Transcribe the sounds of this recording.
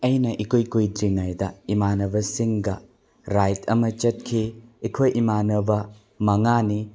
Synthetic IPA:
ɐjnɐʔikʰojkujdɾiŋajdɐimanɐbɐsiŋɡɐ | ɾajtʰɐmɐt͡ʃɐt̚kʰiːkʰojʔimanɐbɐ | mɐŋani

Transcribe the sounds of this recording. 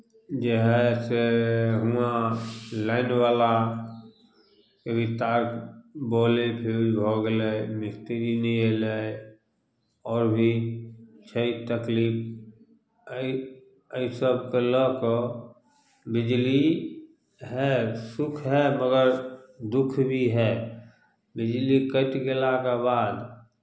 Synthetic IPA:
d͡ʒəɦɛseɦuãlaɪnwaːla | kebʱit̪aːkboːlepʰebʱoɡlemɪst̪eɾinĩɦele | ɔːɾbʱi | t͡ʃʰəit̪əkliːp | i | əisəb̚kelək | bɪd͡ʒli | ɦɛsʊkʰɦɛməɡəɾd̪ʊkʰbʱiɦɛ | bɪd͡ʒlikəʈɡɪlakabaːd̪

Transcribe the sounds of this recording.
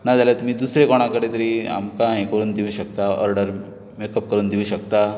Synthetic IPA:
nad͡zaljat̪um̤iːd̪usɾekɔɽ̃akəɽet̪əɾiːa̰mkãẽkəɾuːnd̪iʋuːɕəkt̪aɔ̰ɾɖəɾ | mekəp̚kəɾuːnd̪iʋũɕəkt̪a

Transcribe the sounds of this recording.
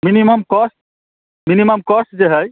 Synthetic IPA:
miniməmkɔsʈ̚ | miniməmkɔsʈ̚d͡ʒeɦəj

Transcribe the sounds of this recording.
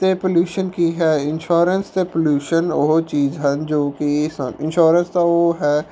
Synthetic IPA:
t̪epəljuːʃənkiɦɛːɪnʃoːɾənst̪epəljuːʃənoɦot͡ʃiːzɦənd͡ʒoːkisə̰ɪ̃nʃoːɾənst̪aoɦɛː

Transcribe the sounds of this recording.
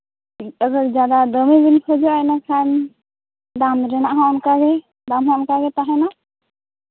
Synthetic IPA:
əɡəɾd͡ʒad̪ad̪əmibinkʰɔd͡ʒɔajnakʰan | d̪amɾɛnaʔɦaɔnkaɡɛ | d̪amɦɔɔnkaɡɛt̪aɦɛna

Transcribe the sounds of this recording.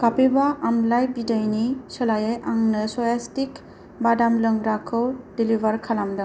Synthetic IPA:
kapibaʔamlajbidajnisɔlajajaŋnɯsɔjastik | badamlɯŋɡɾakʰɯwdilibʱaɾkʰalamda

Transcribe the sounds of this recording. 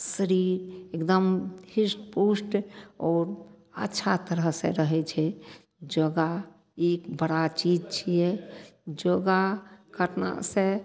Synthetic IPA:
səɾiɾekd̪əmhisʈpusʈɔːɾ | ətːʃʰat̪əɾəɦsḛ̃ɾəɦɛt͡ʃʰɛ | d͡ʒəɡa | ekbəɽat͡ʃid͡ʒt͡ʃʰijɛd͡ʒoɡakʰəʈna̰sẽ

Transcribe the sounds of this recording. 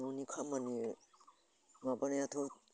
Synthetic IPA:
onikʰamani | mabanajatʰo

